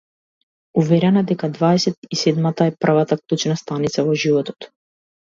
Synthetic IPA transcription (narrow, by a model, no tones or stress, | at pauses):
uvɛɾɛnad̪ɛkad̪vaɛsɛt̪isɛd̪mat̪aɛpr̩vat̪aklˠut͡ʃnast̪anit̪savɔʒivɔt̪ɔ̥t̪